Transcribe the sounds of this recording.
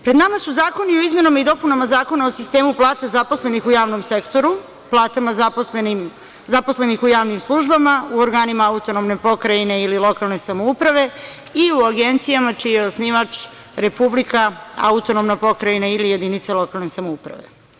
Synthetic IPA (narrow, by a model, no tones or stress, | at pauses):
pɾed̪namasuzaːko̞nioizme̞namaid̪o̞punamazaːko̞naosist̪e̞ːmuplˠaːt̪azaposle̞nixujaːʋno̞mse̞kt̪o̞ɾu | plˠaːt̪amazm | zapo̞sle̞nixujaːʋnimslˠuʒbamauoɾɡaːnimaaut̪o̞nomne̞po̞kɾaine̞ililˠo̞kalˠne̞samo̞upɾaʋe̞ | iuaɡe̞nt̪sijamat͡ʃijeosniʋat͡ʃ | ɾe̞publikaa̰ut̪o̞nomnapo̞kɾainailije̞d̪init̪selˠo̞kalˠne̞samoupɾa̰ʋe̞̰